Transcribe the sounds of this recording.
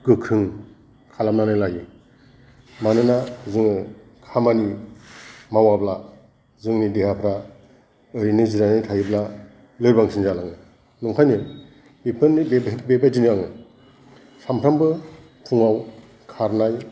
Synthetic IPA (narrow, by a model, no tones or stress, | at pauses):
kɯkʰɯŋ | kʰalam̚nanajlaji | manɯnazɯŋɯ | kʰamani | mawabla | zɯŋnidehapʰɾa | ɯɾinɯziɾanijtʰajɯbla | lɯɾbaŋsʰinzalaŋɯ | nuŋkʰajnɯ | ipʰɯnːibebbebajdinɯjaŋɯ | sampʰɾambɯ | tʰuŋaw | kʰaɾnaj